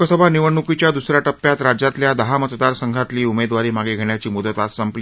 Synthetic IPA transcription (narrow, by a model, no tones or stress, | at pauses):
əsəbʱaniʋəɳukit͡ɕjad̪usɾjaʈəpːjat̪ɾad͡ʑat̪ljad̪əɦamət̪d̪aɾsəŋɡʱat̪liːumed̪ʋaɾiːmaɡeɡʱeɳjat͡ɕiːmud̪ət̪asəmpli